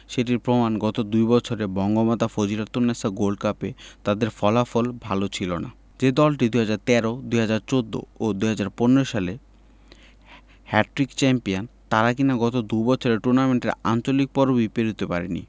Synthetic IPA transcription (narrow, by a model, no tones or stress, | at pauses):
ʃeʈiɾpɾomanɡɔt̪od̪ujbɔt͡ɕʰoɾebɔŋɡomat̪afod͡ʑiɾat̪ːonːasaɡolɖkapet̪ad̪eɾfɔlafolbʱalot͡ɕʰilona̰ | d͡ʑed̪ɔlʈid̪uɦad͡ʑaɾt̪ɛɾod̪uɦad͡ʑaɾt͡ɕod̪ːo̰od̪uɦad͡ʑaɾponeɾoʃale | hɛʈɾikt͡ɕɛmpiant̪aɾak̬inaɡɔt̪od̪ujbɔt͡ɕʰoɾeʈuɾnameɳʈeɾa̰nt͡ɕolik̚pɔɾobipeɾut̪epaɾenḭ